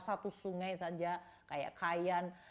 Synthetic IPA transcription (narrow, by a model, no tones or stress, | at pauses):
sat̪usuŋajsad͡ʒa | kaja̰ʔkʰajan